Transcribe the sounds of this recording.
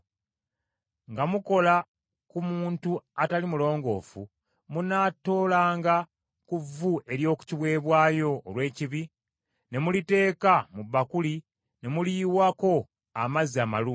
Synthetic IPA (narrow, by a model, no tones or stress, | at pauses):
ŋɡamuko̞la | kumuːntuatalimulo̞ːŋɡo̞̰ːfṵ | munaːto̞ːlaːŋɡa | kuvuʔe̞ɾjo̞ːku̥ciβwe̞ːβwaːjo̞ːlwe̞ːciβi | ne̞mulite̞ːkamuβːakuli | ne̞muliːwako̞ | amaziama̰luː